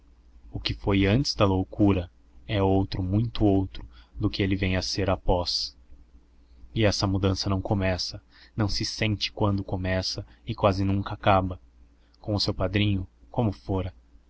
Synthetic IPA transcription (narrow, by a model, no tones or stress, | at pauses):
ʊkɪfojɐ̃nt͡ʃɪ̥zd̪ɐlowkuɾɐ | ɛowt̪ɾʊmũj̃t̪ʊowt̪ɾʊd̪ʊkɪelɪvẽj̃ɐseɾɐpɔs | ɪɛsɐmud̪ɐ̃sɐnɐ̃w̃komɛsɐ | nɐ̃w̃sɪsẽnt͡ʃɪ̥kwɐ̃nd̪ʊkomɛsɐɪkwazɪnũŋkɐakabɐ | kõʊsewpad̪ɾĩɲʊkõmʊfoɾɐ